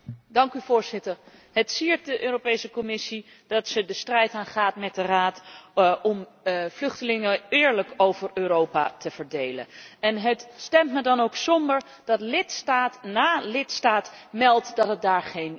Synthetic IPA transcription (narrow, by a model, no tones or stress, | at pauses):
dɑŋkyvʊːɹz̥ɪtəɹ | ɦətsiːɹt̚dəʔøːropejsəkɔmɪsi | d̥ɑtsədəstrɛjtaːnχaːtmɛt̚dəraːtɔm | vlɵχtəlɪŋəɪːɹləkowvərøːrowpa̰təv̥əɹdejlə̰nɛnɦətstɛmtmədɑnowksɔmbəɹ | d̥ɑtlɪtstaːtnaːlɪtstaːtmɛlˠtdɑtɦət̚daːɹχejn